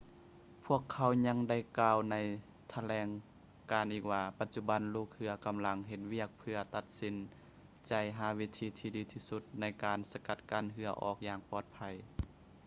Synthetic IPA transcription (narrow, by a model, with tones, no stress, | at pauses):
pʰu˥˩əkʰːa˧˥wɲa˧˥ŋda˧˩jkaː˧˩wna˧˩j | t̪ʰa˧lɛː˧ŋ | kaː˨nʔiː˧˩k̚waː˧pa˧˥t̪̚t͡ɕu˧˩ba˨˦nluː˧˩k̚hɯ˧ɐka˧˨mla˧˥ŋɦe˧t̪̚wi˥˩ək̚pʰɯ˧ɐt̪a˧t̪̚si˧n | t͡ɕa˨˩jɦaː˧˥wi˧˥t̪ʰiː˧t̪ʰiː˧diː˨˦t̪ʰiː˧su˧t̪̚na˧˥jkaː˨nsa˧ka˧˥t̪̚kaː˧˥˨nɦɯ˧ɐʔɔ̰ː˧˩k̚jaː˧ŋpɔː˧˩t̪̚pʰa˧˩j